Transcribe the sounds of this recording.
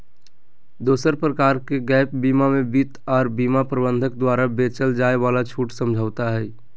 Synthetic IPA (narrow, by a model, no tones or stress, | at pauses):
d̪oːsəɾpɾəkaːɾkeɡɛːpbiːmamebit̪ɔːɾbiːmapɾəbənd̪ʱək̚d̪waːɾabet͡ʃəld͡ʒaːebaːlat͡ʃʰuːʈsəmd͡ʒʱəːʊt̪aɦɛː